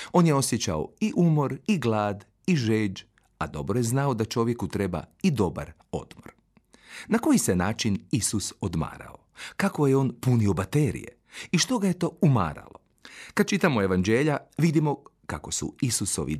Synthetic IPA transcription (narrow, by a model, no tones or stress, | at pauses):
o̞ːnjeo̞sje̞t͡ʃa̰o̰iʔumo̞ɾiɡlaːd̪ | iʒeːd͡ʒ | ad̪o̞̰bɾoje̞znaod̪at͡ʃo̞ʋje̞kut̪ɾe̞ba̰id̪o̞ba̰ɾ | o̞̰d̪̥moɾ | nako̞jise̞naːt͡ʃinisusod̪ma̰ːɾa̰okako̞jeo̞ːnpuniobat̪eɾḭjḛ | iʃt̪o̞ɡaje̞t̪o̞ːuma̰ːɾa̰lˠo | kad̪̥̚t͡ʃit̪amoe̞ʋand͡ʒeːʎaʋid̪imo̞kako̞sṵisuso̞̰ʋḭ